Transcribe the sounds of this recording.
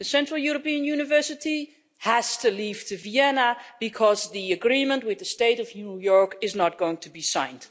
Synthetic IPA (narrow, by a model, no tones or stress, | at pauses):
ðɨsɛ̃ntɹəl̩ˠjuɹəpĩɨ̃njʉnɨvɜ˞sɨti | hæz̥tɨliv̥tʰɨviɛnəb̥ɨkʰʌzðiɨɡɹĩmə̃nt̚wɨðɨsteɪɾʌvnujɔɹkɪznət̚ɡ̥oʊɪ̃ŋtʰubisã̰ɪ̃nd̥